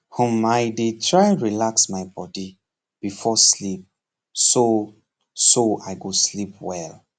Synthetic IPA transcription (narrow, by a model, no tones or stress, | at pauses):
hɔmaɪdetʰɹajɹilaksmaɪjbɔdi | b̥ifɔslip̚ | so | soaɪɡoslipwɛl